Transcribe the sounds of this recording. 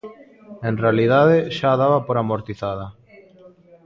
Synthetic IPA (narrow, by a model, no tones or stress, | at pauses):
enrealiðaðeʃaðaβapoɾamoɾt̪iθaðɐ